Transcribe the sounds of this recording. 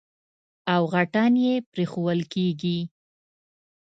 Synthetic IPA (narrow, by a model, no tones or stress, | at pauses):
awɣaʈɑnjepɾexowəlkeɡi